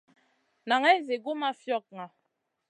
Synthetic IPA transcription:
na˨ŋɛ˦ze˨ɡo˦ma˦fjɔ˦˨k̚ŋa˨

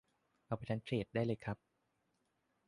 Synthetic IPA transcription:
ʔa˧˩pʰa˧˩t͡ɕʰa˦˥nt͡ɕʰɾeː˨˩t̪̚daː˥˩jlɤː˧jkʰɾa˦˥p̚

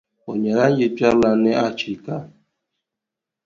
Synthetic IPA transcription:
o˨ɲe˨ɾa˦ɲɪ˦pa˦la˨nɪ˦ʔa˦t͡ʃi˨ka˦

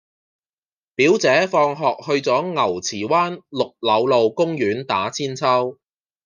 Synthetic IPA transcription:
piː˨˥wt͡sɛː˨˥fɔː˧ŋɦɔː˨k̚hɵ˧ɥt͡sɔː˨˥ŋɐ˨˩wt͡sʰiː˨˩waː˥nlʊ˨k̚lɐ˨˧wlo˨wkʊ˥ŋjyː˨˥nt̪aː˨˥t͡sʰiː˥nt͡sʰɐ˥w

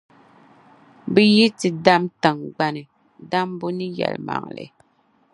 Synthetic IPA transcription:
bɨ˦ji˦tɨ˨da˦mta˨ŋɡ͡ba˨nɨ˨ | da˦mbo˦nɨ˦jɛ̰˨lma̰˨ŋlɨ̰˨˦

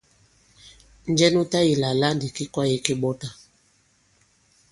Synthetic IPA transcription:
n˦d͡ʒɛ˦nu˦ta˦ji˨la˨la˦ndi˨ki˦kwa˦je˦ke˦ɓɔ˦ta˨

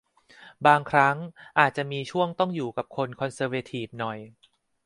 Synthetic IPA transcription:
baː˧ŋkʰɾa˦˥ŋʔaː˨˩t̪̚t͡ɕa˨˩ʔmiː˧t͡ɕʰu˥˩əŋt̪ɔ˥˩ŋjuː˨˩ka˨˩p̚kʰo˧nkʰɔ˧nsɤː˧weː˧t̪ʰiː˨˩p̚nɔ˨˩j

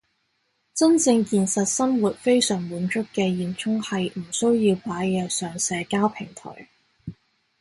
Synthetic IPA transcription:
t͡sɐ˥nt͡sɪ˧ŋjiː˨nsɐ˨t̚sɐ˥mwuː˨t̚fe˥jsœː˨˩ŋmuː˨˥nt͡ʃʊ˥kkːɛː˧jiː˨˩nt͡sʰʊ˥ŋhɐ˨jm̩˨˩sɵ˥ɥjiː˧wpaː˨˥jjɛː˨˧sœː˨˩ŋsɛː˨˧kaː˥wpʰɪ˨˩ŋt̪ʰɔ̰˨˩j

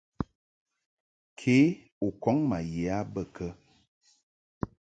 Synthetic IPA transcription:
kʰe˨˦ | o˨kɔ˨˦ŋma˨jɛ˨a˦bə˦˨kʰə˦

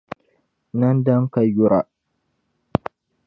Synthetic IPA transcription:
na˦nda˦ŋka˨ju˦ɾa˨

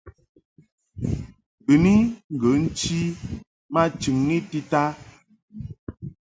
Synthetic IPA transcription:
bə˨ni˦ŋ̩˨ɡə˨˦n̩˦t͡ʃi˦ | ma˦t͡ʃi˨ŋni˦ti˦ta˦

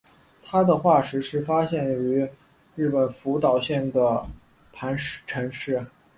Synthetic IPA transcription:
t̪ʰa˥d̪ə˨xwa˥˩ʂɻ̩˧˥ʂɻ̩˥˩fa˥ɕjɛ˥˩ny˧˥ | ɻɻ̩˥˩pə˨˩nfu˧˥t̪ɑ˨˩ʊɕjɛ˥˩nd̪ə˩ | pʰa˧˥nʈ͡ʂʰɤ˧˥nʂɻ̩˥˩

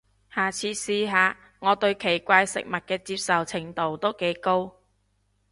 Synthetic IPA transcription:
haː˨˩t͡sʰiː˧siː˧ɦaː˨˧ | ŋɔː˨˧t̪ɵ˧ɥkʰe˨˩jkʷaː˧jsɪ̰˨k̚mɐ˨t̚kɛː˧t͡siː˧p̚sɐ˨wt͡sʰɪ˨˩ŋt̪o˨wt̪o˥wke˨˥jko˥w

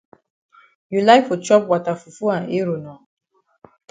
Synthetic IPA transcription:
ju˨la˦ɪfo˨t͡ʃɔ˦p̚wa˨ta˨fu˨fu˦ã˨e˦ɾo˨nɔ̃˨

